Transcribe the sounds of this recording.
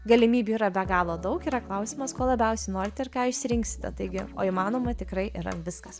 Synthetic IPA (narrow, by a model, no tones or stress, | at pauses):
ɡɐlʲɪmʲiːbʲuiːɾɐbʲɛɡɑːlˠoːd̪ɐʊkiːɾɐklˠɐʊsʲɪmɐskoɔlˠɐbʲɛʊsʲɛɪnoːɾʲɪt̪ʲɛɪɾkɑːɪʃʲsʲɪɾʲɪŋksʲɪ̥t̪ʲɛ̰t̪ɐɪɡʲɪo̰ːimɑːnoːmɐt̪ʲɪkɾɐɪʔiɾɐ̰ʋʲɪskɐs